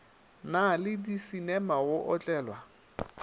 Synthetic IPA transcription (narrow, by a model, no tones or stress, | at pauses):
nalɪdisinɛmaɣʊʔɔt͡ɬʼɛːlwa